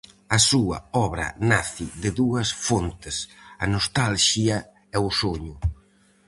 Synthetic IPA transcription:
ɐsuɐ̰ɔβɾɐ̰naθiðɪðuɐsfont̪ɪsɐnost̪alʃiɐ | ɛʊsoɲʊ

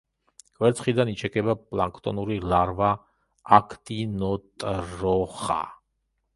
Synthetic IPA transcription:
ɡʼwɛɾt̪sʰχid̪anit͡ʃʰɛkʼɛbapʼlaŋkʰt̪ʼɔ̰nuɾilaɾva | akʰt̪ʼinɔt̪ʼɾɔχa̰

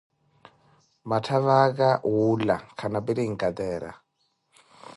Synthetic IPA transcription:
matʰaβakaɦulakʰanapiɾiŋ̩kʼat̪ɛːɾa̰

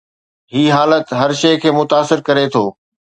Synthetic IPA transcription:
ɦiːɦaːlət̪ɦɐɾʃeːkʰeːmʊt̪aːsɪɾkɐɾet̪ʰoː

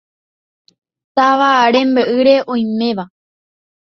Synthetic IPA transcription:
t̪aʋaɾẽ̞mbɨʔɨɾe̞ʔõj̃mẽ̞ʋa

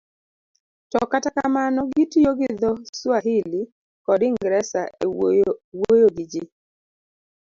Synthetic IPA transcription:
tɔkatakamanɔɡitijoɡɪd̪ɔswaɦɪli | kɔdɪŋɡɾɛsaewojoɡɪd͡ʒɪ

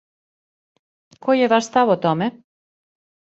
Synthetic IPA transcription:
kojɛvaʃst̪avɔt̪ɔmɛ

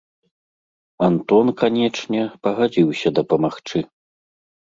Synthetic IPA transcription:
ant̪ɔnkanʲɛt͡ʂnʲɛpɐɣad͡zʲiwsʲɐd̪ɐpɐmaxt͡ʂɨ

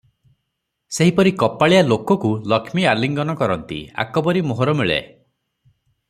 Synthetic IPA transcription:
seɦipɔɾikɔpaɭijalokɔkulɔkʰmialiŋɡɔnɔkɔɾɔnt̪ḭa̰kɔbɔɾimoɦɔɾɔmiɭḛ

